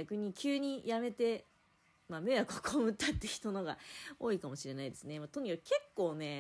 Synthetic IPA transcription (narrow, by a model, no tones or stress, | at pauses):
akɯ̟ɲ̟ikʲʰɨːɲ̟ijame̞t̪e̞ | mame̞jakokʰomɯ̟t̪ːat̪ːe̞çi̥t̪o̞noɡa̰o̞ːikamo̞ɕiɾe̞naid̪esɨnemat̪o̞ɲ̟ikake̞kːo̞ːne̞